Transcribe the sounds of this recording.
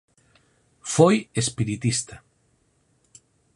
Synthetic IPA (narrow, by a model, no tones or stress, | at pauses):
fojespiɾit̪ist̪a